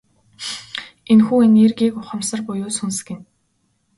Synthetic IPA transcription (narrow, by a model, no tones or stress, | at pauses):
enxuːenʲerɡiːkʊχə̆msə̆rpʊjʊːsɵns̆ɡɘ̆n